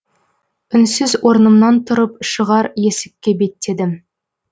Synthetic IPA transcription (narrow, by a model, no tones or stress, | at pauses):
ʏnsɪzwo̞ɾnəmnɑnt̪ʰʊɾəp̚ʃəʁɑɾje̞sɪ̥kʲːe̞be̞t̪ːe̞d̪ɪm